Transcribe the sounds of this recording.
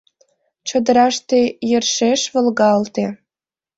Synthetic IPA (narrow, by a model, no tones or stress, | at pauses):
t͡ɕŏd̪ə̆ɾɑʃt̪ejərʃeʃβə̆lɣɑlt̪e